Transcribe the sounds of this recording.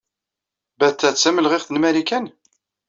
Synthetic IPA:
bæt̪ːæt͡sːæməlʁɪʁθənmælikæn

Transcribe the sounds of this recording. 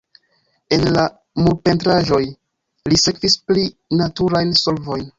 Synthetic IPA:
e̞nla | muɾpe̞ntɾaʒo̞j | lise̞kvisplinatuɾajnso̞lvo̞jn

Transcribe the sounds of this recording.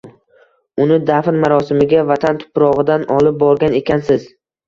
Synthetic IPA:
ʊnɪd̪afɾmaɾɒsɪmɪɡʲavat̪ʰant̪ʰʊ̥pɾɒʁɨd̪anɒlˠɪp̚bɒɾɡʲane̞kʲansɪz

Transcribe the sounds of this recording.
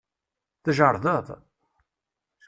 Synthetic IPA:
θəʒəɾˤðəðˤ

